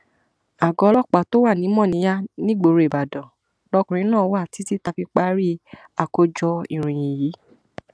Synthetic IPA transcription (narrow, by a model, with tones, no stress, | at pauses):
a˨ɡɔ˨˧˦lɔ˦˨k͡pa˨to˦wa˦˨nĩ˨˦mɔ̃˦˨nĩ˨˦ja˦nĩ˦ɡ͡bo˧ɾo˧e˨ba˨dɔ̃˨ | lɔ˧kũ˨ɾ̃ĩ˧˦nãː˦˨˦wa˦˨ti˨˦ti˦ta˧fi˧k͡pa˦ɾi˦ | a˨ko˧˦d͡ʒɔ˧i˨ɾ̃ĩ˨j̃ĩ˨ji˨˦